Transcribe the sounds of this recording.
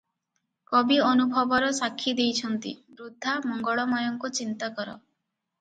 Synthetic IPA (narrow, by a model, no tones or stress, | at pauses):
kɔbiɔnubʱɔbɔɾɔsakʰːid̪ejt͡ʃʰɔnt̪ḭbɾud̪ʱːamɔŋɡɔɭɔmɔjɔŋkut͡ʃint̪akɔɾɔ̰